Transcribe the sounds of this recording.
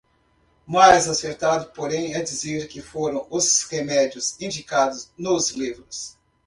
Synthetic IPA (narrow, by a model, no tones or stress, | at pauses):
majzaseɾt̪ad̪ʊpoɾẽj̃ɛd͡ʒizeɾkɪfoɾɐ̃w̃ʊzhemɛd͡ʒiʊzĩd͡ʒikad̪ʊznʊzlivɾʊs